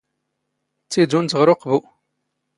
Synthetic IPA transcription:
t͡sːidunt͡s̪ːəʁɾoqvu

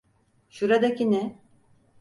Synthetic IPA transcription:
ʃuɾad̪akʲinɛ

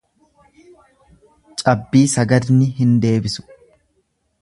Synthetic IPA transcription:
t͡ʃʼɐbːiːsɐɡɐd̪nɪɦɪnd̪e̞ːbɪsʊ̥

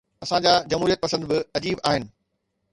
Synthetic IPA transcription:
ɐsãd͡ʑaːd͡ʑɐm̤ɦuːɾijət̪̚pɐsə̃nd̪bɪɐd͡ʑiːbaːɦɪnɪ̆

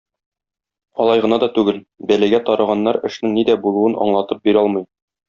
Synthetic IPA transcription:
ɒlˠɑjʁɤ̆nɑd̪ɒt̪ʉɡɘl | bælæɡæt̪ɒɾɤʁɑnːɑɾɘ̆ʃnɘŋnid̪æbulˠuɤnɒ̰ɴlˠɑt̪ɤp̚biɾɒlˠmɤ̆j

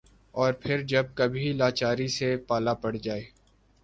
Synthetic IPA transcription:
ɔːɾpʰɪɾd͡ʒɐb̚kɐbʱilaːt͡ʃaːɾisepaːlapɐɽ̤d͡ʒaːeː

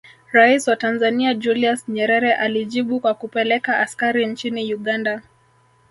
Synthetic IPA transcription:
ɾaisiwatanzaniad͡ʒuliasɲɛɾɛɾɛʔaliʄiɓukwakupɛlɛkaːskaɾint͡ʃinijuɠanda

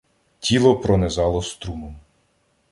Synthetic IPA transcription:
tʲilˠɔpɾɔnezɑlˠɔst̪ɾumɔm

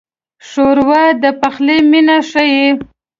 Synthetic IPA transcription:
ʂoɾwad̪əpaxleminaʂaje

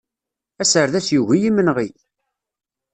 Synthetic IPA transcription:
æsəɾðæsjuʝijimənʁi

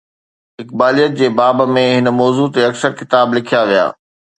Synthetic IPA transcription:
ɦɪk̚baːlijət̪̚d͡ʑeːbaːbmẽɦɪnmɔːzuːt̪eɐksəɾkɪt̪aːblɪkʰijaʋija̰ː

